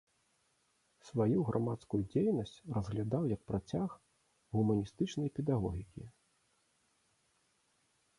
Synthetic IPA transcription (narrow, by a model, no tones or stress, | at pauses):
svajuɣɾʔamat̪skujud͡zʲejnɐsʲt͡sʲrɐzɣlʲad̪awjɐk̚pɾat͡sʲax | ɣumɐnʲist̪ɨt͡ʂnɐjpʲɛd̪aɣɔɣʲikʲi